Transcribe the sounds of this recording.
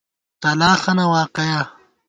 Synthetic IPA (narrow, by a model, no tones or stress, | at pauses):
t̪ɐlaːxɐnɐwaːqeja